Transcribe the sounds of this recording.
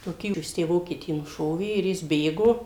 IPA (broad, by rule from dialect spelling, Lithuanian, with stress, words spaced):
toːˈkʲiː ˈjɪs ˈtʲæː ˈʋoːkʲiɛtʲiː nʊˈʃoːʋʲeː ɪr ˈjɪs ˈbʲeːɡoː